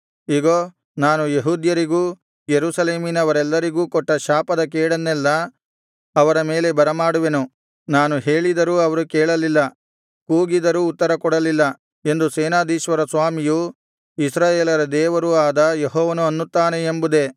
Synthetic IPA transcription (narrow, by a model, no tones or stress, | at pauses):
iːɡoː | naːnujeɦuːd̪jɐɾiɡuː | jeɾuːsɐleːminɐʋɐɾɛlːɐɾiɡuːkɔʈːɐʃaːpɐd̪ɐkɛːɽɐnːɛlːɐː | ʋɐɾɐme̞ːle̞bɐɾɐmaːɽuʋe̞nu | naːnuɦe̞ːɭid̪ɐɾuɐʋɐɾukɛːɭɐlilːɐ | kuːɡid̪ɐɾuːt̪ːɐɾɐkɔɽɐlilːɐ | e̞nd̪useːnaːd̪iːʃʋɐɾɐsʋaːmiju | isɾaːjeːlɐɾɐd̪ɛːʋɐɾuaːd̪ɐjeɦɔːʋɐnuɐnːut̪ːaːneːmbud̪e̞